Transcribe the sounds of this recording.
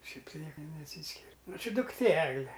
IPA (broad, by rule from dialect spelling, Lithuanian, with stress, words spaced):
ˈʃʲɛɪp tɐɪ ˈnʲiɛkɐ nʲɛˈsʲiːsʲkʲɪrʲ ˈnʊ ˈt͡ʃʲɪ dʊkˈtʲeː ˈæːɡlʲɛ